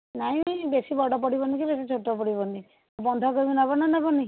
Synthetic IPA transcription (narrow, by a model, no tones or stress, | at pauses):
naĩbesibɔɽɔpɔɽibɔnikibesit͡ʃʰoʈɔpɔɽibɔni | bɔnd̪ʱɔkɔɾibinabɔnanabɔni